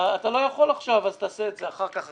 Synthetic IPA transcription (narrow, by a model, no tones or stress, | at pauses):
at̪alo̞jaχo̞laχʃavazt̪aːseːt̪zeaχaʁkaχ